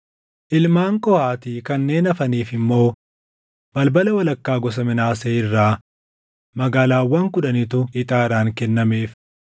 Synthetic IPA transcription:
ʔɪlmaːŋkʼɔhaːt̪iːkɐnːe̞ːnɐfɐniːfɪmːo̞ː | bɐlbɐlɐwɐlɐkːaːɡɔs̬ɐmɪnaːseːɪrːaː | mɐɡaːlaːwːɐŋkʊᶑɐnɪt̪ʊɪt̪ʼaːɪɾaːŋkɛnːɐmeːf

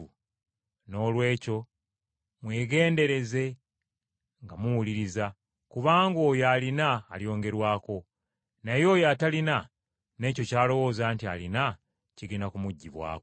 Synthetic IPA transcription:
u | no̞ːlwe̞ːco̞ | mwe̞ːɡe̞ːnde̞ɾe̞ze̞ | ŋɡamuwuliɾiza | kuβaːŋɡo̞ːjalinaːljo̞ːŋɡe̞ɾwaːko̞ | najo̞ːjatalina | ne̞ːco̞caːlo̞wo̞ːzaːntia̰lina | ciɡenakumuɟːiβwa̰ːk

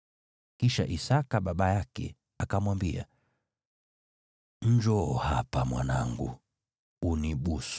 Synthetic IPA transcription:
kiʃa̰ʔisakaɓaɓajakɛ̰ | akamwambia̰ | ɲ̩d͡ʒɔhapamwanaŋɡṵː | niɓus

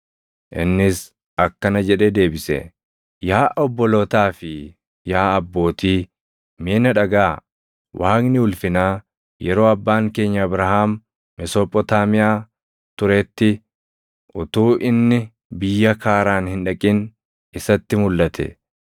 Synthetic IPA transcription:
ʔɪnːɪs | ʔɐkːɐnɐd͡ʒɛᶑɛd̪e̞ːbɪsɛ̰ | jaːʔɔbːɔloːt̪aːfɪ | jaːɐbːo̞ːt̪iː | meːnɐᶑɐɡaː | wʔaːknɪʊlfɪnaː | jɛɾo̞ːɐbːaːŋke̞ːɲːɐːbɾɐhaːmː | ɛsoːpʼːɔt̪aːmɪaː | t̪ʊɾeːt̪ːɪ | ʔʊt̪uːʔɪnːɪ | bɪjːɐkʰaːɾaːnhɪnᶑɐkʼɪn | ɪsɐt̪ːɪmʊlːɐt̪ʰɛ̰

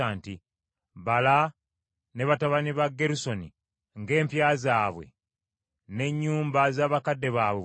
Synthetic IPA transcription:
aːnti | βala | ne̞βataβaniβaɡːe̞ɾuso̞ni | ŋɡe̞ːmpjazaːβwe̞̰ | ne̞ɲːuːmbazaːβakadːe̞βaːβwe

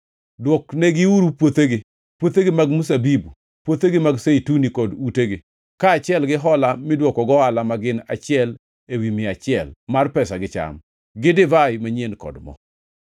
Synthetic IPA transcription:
dwɔkneɡɪuɾupwot̪eɡɪ | pwot̪eɡɪmaɡmusabibu | pwot̪eɡɪmaɡseitunikɔduteɡɪ | kaːt͡ʃɪɛlɡɪɦɔlamɪdwɔkɔɡɔalamaɡɪnat͡ʃɪɛl | ewimɪat͡ʃɪɛlmarpɛsaɡɪt͡ʃa̰m | ɡɪdɪvaɪmaɲenkɔ̰dmɔ̰

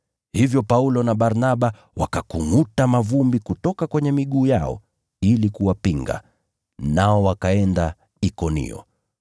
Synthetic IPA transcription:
hivjɔpaulɔnaɓaɾnaɓa | wa̰kakuŋutamavumbikutɔkakwɛɲɛmiɠuːjaɔ̰ | ilikuwapiŋɡa̰ | naɔwakaɛnda | ikɔnḭɔ̰

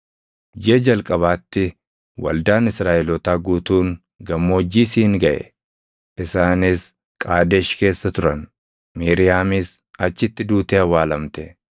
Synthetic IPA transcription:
d͡ʒeːd͡ʒɐlkʼɐβaːt̪ːɪ | wɐ̰ld̪aːnɪsɾaːʔɛlɔt̪aːɡuːt̪uːŋ | ɡɐmːoːd͡ʒːiːsiːŋɡɐʔɛ̰ | ʔɪsaːnɪs | kʼaːd̪ɛːʃke̞ːsːɐt̪ʊɾɐn | miːɾɪjaːmɪs | ɐt͡ʃːɪt̪ːɪd̪uːt̪eːɐwːaːlɐmt̪ɛ

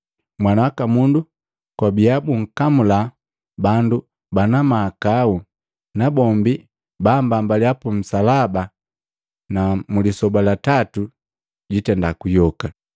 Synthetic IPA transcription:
mwanawakamundu | kwabiabuŋ̩kamula | bandu | banamaːkau | nabɔmbi | baːmbambaliapum̩salaba | namulisɔbalatatu | ɟitɛndakujɔka

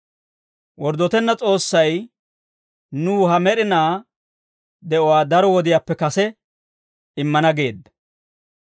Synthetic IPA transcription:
wɔɾd̪ɔt̪ɛnːɐt͡sʼo̞ːsːɐj | nuːɦɐmɛɾɪnaː | d̪ɛʔɔwaːd̪ɐɾɔwɔd̪ɪjaːpːɛkɐsɛ | ɪmːɐnɐɡe̞ːd̪ːɐ̥

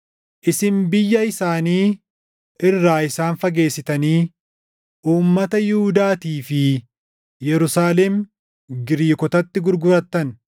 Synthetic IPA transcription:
ʔɪsɪnbɪjːɐɪsaːniː | ɪrːaːɪsaːnfɐɡe̞ːsːɪt̪ɐniː | ʔuːmːɐt̪ɐjɪhʊd̪aːt̪iːfɪ | jɛɾʊsaːlɛm | ɡɪɾiːkɔt̪ɐt̪ːɪɡʊɾɡʊɾɐt̪ːɐn

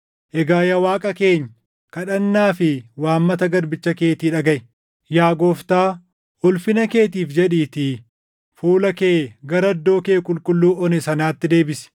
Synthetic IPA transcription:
ʔɛɡaːjɐwaːkʼɐke̞ːɲː | kɐᶑɐnːaːfɪwaːmːɐt̪ɐɡɐɾbɪt͡ʃːɐke̞ːt̪iːᶑɐɡɐʔ | jaːɡoːft̪aː | ʊlfɪnɐke̞ːt̪̬iːfd͡ʒɛᶑiːt̪ɪ | fuːlɐkeːɡɐɾɐd̪ːo̞ːkeːkʼʊlkʼʊlːuːʔɔnɛsɐnaːt̪ːɪd̪e̞ːbɪsɪ̥

